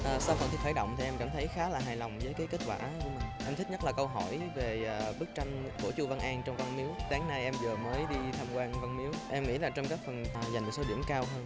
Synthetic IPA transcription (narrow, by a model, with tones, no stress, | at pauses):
ʔəː˨˩sa˧wfə˨˩nt̪i˨˩xʰaː˧˩jɗə̰˧˨wŋ͡mt̪i˨˩ʔɛ˧mka̰ː˧˩mt̪ʰə˨˦jxaː˨˦laː˨˩ɦaː˨˩jlɔ˨˩wŋ͡mvəː˨˦jkaː˨˦jke˦˥t̚kwaː˧˩ku˧˩mi˨˩ŋ̟ʔɛ˧mt̪ʰi̟˦˥ɲə˦˥t̚laː˨˩kə˧wɦɔ˧˩jve˨˩˨ɓɨ˦˥k̚t͡ɕa˧jŋ̟ku˧˩ət͡ɕu˧˩va˧nʔaː˧ŋt͡ɕɔ˧wŋ͡mva˧nmi˨˦wɗaː˨˦ŋna˧jʔɛ˧mzəː˨˩məː˨˦jɗi˧t̪ʰaː˧mkwaː˧nva˧nmi˨˦wʔɛ˧mŋḭ˧˥laː˨˩t͡ɕɔ˧ŋ͡mkaː˦˥k̚fə˨˩n˨˩za˨˩ŋ̟mo˨˩k̚so˨˦ɗḭ˧˩əmkaː˧wɦəː˧n